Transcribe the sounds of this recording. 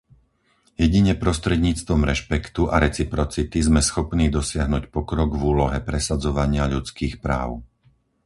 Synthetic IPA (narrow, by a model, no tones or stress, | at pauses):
jɛɟiɲɛpɾɔst̪ɾɛd̪ɲiːt͡st̪ʋɔmɾɛʃpɛkt̪uʔaɾɛt͡sipɾɔt͡sit̪izmɛsxɔpniːd̪ɔsɪaɦnuːcpɔkɾɔɡvuːlɔɦɛpɾɛsad͡zɔʋaɲɪaʎut͡skiːxpɾa̰ːʊ